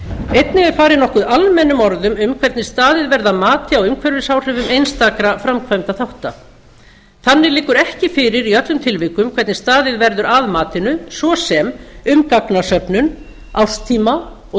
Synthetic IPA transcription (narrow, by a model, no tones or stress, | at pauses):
ejt̪nɪɛɾ̥faːɾɪnɔhkʏðalmɛnːʏmɔɾðʏmʏmkʰvɛɾt̪nɪst̪aːðɪðvɛɾðamaːt̪ɪawʏmkʰvɛɾvɪsaːwr̥ɪvʏmejnst̪akɾafɾamkʰvajmt̪aθawht̪a | θanːɪlɪːkːʏɾɛhcɪfɪːɾɪɾiœt̪lʏmt̪ʰɪlvɪkʏmkʰvɛɾt̪nɪst̪aːðɪðvɛɾðʏɾaðmaːt̪ɪnʏsvɔsɛmʏmkaknasœpnʏn | awst̪ʰiːma | ɔ